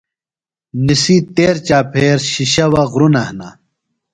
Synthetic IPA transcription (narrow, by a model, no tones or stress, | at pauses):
nisit̪eːɾt͡ɕaːpʰeːɾɕiɕɐwɐɣɾunɐhna̰